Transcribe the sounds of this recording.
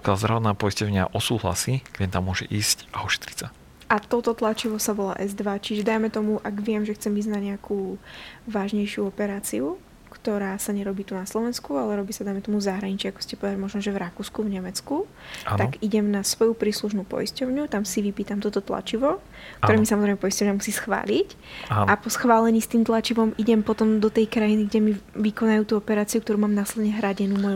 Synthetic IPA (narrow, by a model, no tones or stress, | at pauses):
pkɪalzd̪ɾaʋɔt̪naːpɔjiscɔʊɲɪa̰ʔɔsuːɦla̰siːkɛnt̪amːʊɔʒɛ̰ʔiːscʔaɔʃɛ̥t̪ɾi̥csa | ʔat̪ɔt̪ɔt̪lat͡ʃiʋɔsaʋɔla̰ːʔɛzd̪ʋat͡ʃiʒɛd̪ajmɛt̪ɔmuʔaɡʋɪɛmʒɛxt͡sɛmviznaɟɲɛakuːʋaːʒɲɛjʃɪuɔpɛɾaːt͡siu | kt̪ɔɾaːsaɲɛɾɔbiːt̪unaslɔʋɛnskualɛɾɔbiːsad̪ajmɛt̪ɔmuzaɦɾaɲit͡ʃɛakɔ̥scɛpɔʋɛɾmɔʒnɔʒɛvɾakuːskuvɲɛmɛt͡sku | a̰naɡiɟɛmnasʋɔjupɾiːsluʃ̬nupɔ̰jiscɔʊɲut̪amsiʋipiːt̪amt̪ɔt̪ɔt̪la̰t͡ʃiʋɔ | k̚t̪ɔɾɛːmisamɔzɾɛɪmɛpɔjiscɔʊɲamusiːsxʋa̰ːlic | apɔsxʋaːlɛɲiːst̪iːmt̪lˠat͡ʃiʋɔmiɟɛmpɔt̪ɔmd̪ɔt̪ɛjkɾajiniɡɟɛmiʋikɔnajuːt̪uːɔpɛɾaːt͡siuk̚t̪ɔɾuːmaːmnaslɛd̪ɲɛɦɾaɟɛnumɔj